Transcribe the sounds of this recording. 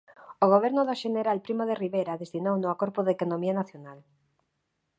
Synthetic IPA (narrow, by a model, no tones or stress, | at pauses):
oɣ̞oβ̞ɛɾnʊðoʃeneɾalpɾimoðeriβejɾaðest̪inownʊakoɾpʊðekonomianaθjonal